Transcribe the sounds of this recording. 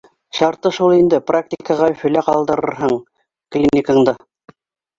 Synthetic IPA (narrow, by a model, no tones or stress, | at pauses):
ʃɑɾt̪ːɤʃulˠind̪ɘprak̚tʲikəʁɑɵfɵ̆læqɑlˠd̪ɤ̆ɾɤ̰̆ɾɦɤɴ | klʲinʲikɤ̆ɴd̪ɤ